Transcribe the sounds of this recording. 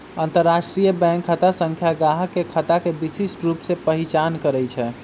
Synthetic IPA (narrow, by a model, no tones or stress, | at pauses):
ənt̪əɾːasʈɾijəbɛ̃ŋkʰːət̪asə̃ŋkʰjaɡaɦəkːekʰət̪akebisisʈɾupsepəɦit͡ʃankəɾɛjt͡ʃʰɛ